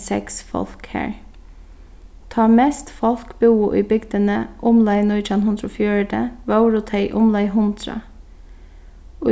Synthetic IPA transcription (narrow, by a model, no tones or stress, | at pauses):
sɛ̰ksfɔ̰lkhæ̰ːɹ | t̪ʰɑːmeːst̪fɔlkbuːʊʔḭːbʏɡd̪ənəʔʊmlɑɪnɔʏɑnhʊnd̪ɾʊfjøːɹd̪əʋɑʊɹʊt̪ʰeɪʔʊmlɑɪɦʊnd̪ɾɑ̰ | o